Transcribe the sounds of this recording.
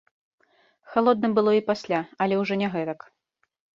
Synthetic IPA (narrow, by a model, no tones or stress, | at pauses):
xalˠɔd̪̚nɨmbɨlˠɔipasʲlʲaɐlʲɛwʐɔnʲɛɣɛt̪ɐk